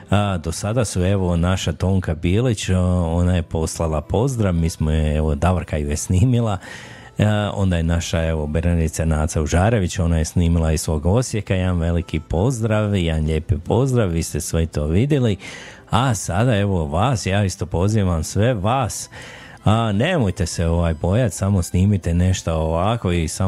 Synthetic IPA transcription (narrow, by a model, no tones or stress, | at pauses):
d̪o̞sad̪asue̞ʋo̞naʃat̪o̞ːŋkabiːlit͡ɕo̞naje̞po̞slˠalˠapʰo̞zd̪ɾaʋmiːsmojeeʋod̪aʋɾkajujesniːmilˠa | o̞̰nd̪ajenaʃae̞ʋo̞beɾnad̪it̪sanaːt̪sauʒaːɾe̞ʋit͡ɕo̞naje̞sniːmilˠaisʋo̞ːɡo̞sje̞kaamʋe̞likipo̞zd̪ɾaʋjanʎe̞ːpipʰo̞zd̪ɾaʋʋiːst̪esʋeit̪o̞ːʋid̪jeli | asad̪ae̞ʋo̞ʋaːsjaːist̪o̞po̞ziːʋamsʋe̞ʋaːs | ane̞mojt̪e̞seo̞ʋaːjbo̞jat̪samo̞sniːmit̪ene̞ʃt̪aoʋaːko̞isa